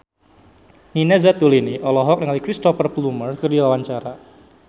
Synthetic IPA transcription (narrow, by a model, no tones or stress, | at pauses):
ninɛzat̪uliniʔɔlɔɦɔk̚nəŋalikɾist̪ɔfərplumərkərdiwawaɲt͡ʃaɾa